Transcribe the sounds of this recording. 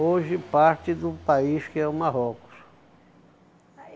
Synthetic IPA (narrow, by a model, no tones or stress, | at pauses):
oʒɪpaɾt͡ʃɪd̪ʊpaiskɪɛʊmaɦɔkʊ̥s